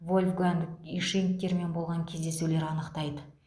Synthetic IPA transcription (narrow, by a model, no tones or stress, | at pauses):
vo̞lʲfɡænd̪kiʃink̚t̪e̞ɾme̞nbolˠʁɑŋkʲʰe̞zd̪e̞sule̞ɾɑnəqt̪ɑjd̪ə